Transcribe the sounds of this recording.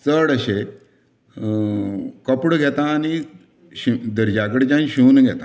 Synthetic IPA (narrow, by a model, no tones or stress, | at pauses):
t͡səɽəɕe | kəpɽɡʱɛt̪ãːni | ɕid̪əɾd͡ʑakəɽt͡ɕãnɕuːnɡʱɛt̪ã